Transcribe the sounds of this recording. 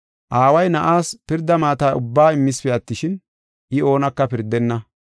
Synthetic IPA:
ʔaːwɐjnɐʔaːspɪɾd̪ːɐmaːt̪aːʔʊbːaːɪmːɪsfɛɐt̪ːɪʃɪn | ʔɪo̞ːnɐkːɐpɪɾd̪ɛnːɐ

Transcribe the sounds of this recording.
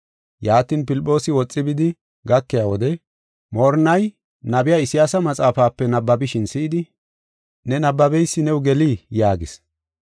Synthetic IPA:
jaːt̪iːnpɪlɪpʼːo̞ːsɪwɔt͡sʼːɪbɪd̪ɪ | ɡɐkːɪjaːwɔd̪ɛ | mɔːɾnɐj | nɐbɪjaːɪsɪjaːsɐmɐt͡sʼaːfaːpːɛnɐbːɐbɪʃɪnsiːd̪ɪ | nɛnɐbːɐbɛjsːɪnɛʊɡɛliːjaːɡɪs

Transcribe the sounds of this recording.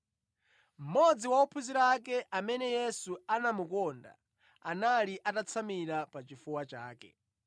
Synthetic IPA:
m̩mɔd͡ziwaupʰuziɾakɛʔamɛnɛjɛsuanamukɔnda̰ | analiʔatat͡sʰamiɾapat͡ʃifuwat͡ʃaːkɛ̰

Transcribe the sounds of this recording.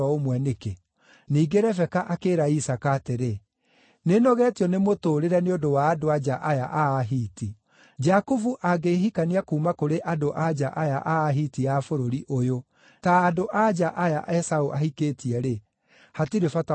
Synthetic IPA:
ɔomwɛneke | niːɡeɾɛfɛkaʔakeːɾaisakaːteɾe | nenɔɣɛːtiɔnemotoːɾeɾɛneodowaːdoad͡ʒaʔajaʔaːɦiːti | d͡ʒakovuʔaɡeɦikaniakuːmakoɾeʔadoʔad͡ʒaʔajaʔaːɦitiafoɾoɾiʔojo | taːdoʔad͡ʒaʔajaʔɛsaoʔahikeːtʰiɛɾe | hatiɾefata

